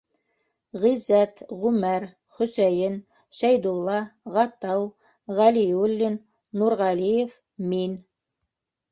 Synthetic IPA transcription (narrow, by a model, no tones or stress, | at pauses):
ʁizæt̪ʁʉmæɾ | χɵ̆sæjɘn | ʃæjd̪ulˠːɑʁɑt̪ɑw | ʁæliulʲːinː | uɾʁɑlijef | min